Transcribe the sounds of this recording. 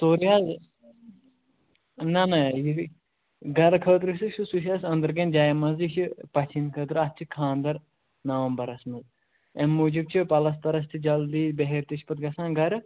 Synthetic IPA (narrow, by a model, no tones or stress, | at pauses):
t̪oːɾijaːz | nɐnɐji | ɡɐɾkʰəːt̪ɾɨsɨʃɨsuʃ̬aːsɐ̃nd̪ɐɾɡɐnd͡ʒaːjmɐzit͡ʃʰipɐt͡ʃʰinkʰəːt̪ɾɨɐst͡ʃʰikʰãːnd̪ɐɾ | nɐʋɐmbɐɾɐsmɐz | emmːuːd͡ʒib̚t͡ʃʰipɐlɐs̬t̪ɐɾɐs̬t͡ʃ̪ʰid͡ʒɐld̪iːbɐɦeɾt̪iʃʰpɐt̪ɡɐsãːnɡɐɾɨ